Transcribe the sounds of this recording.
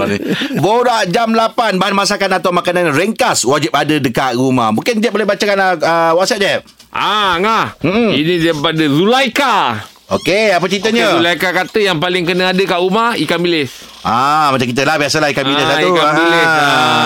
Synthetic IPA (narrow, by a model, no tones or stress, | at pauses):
boɾaʔd͡ʒamlapanbaɦanmas̬akanat̪awmakananɾeŋkaswad͡ʒip̚adədəkaʔɾuma̰hmũŋkɪnd͡ʒɛt̚bolehbat͡ʃakanəəwɔksɛp̚d͡ʒɛp̚ | ʔaŋahm̩m̩inidaipadəzulajka | okeap̬ət͡ʃit̪əɲə̃ulajkakat̪əjaŋpalɪŋkənəadəkaʔumahikambilɪs | ʔamat͡ʃaŋkit̪əlahbiasəlaikambilet̪aikaabilea